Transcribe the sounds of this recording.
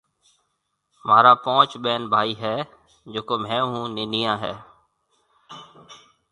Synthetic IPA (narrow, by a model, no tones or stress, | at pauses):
maːɾaːpõːt͡ʃɓeːnbʱaːiːɦɛː | d͡ʒoːkoːmɛ̃ːɦũːnɪniːjãːɦɛ̰ː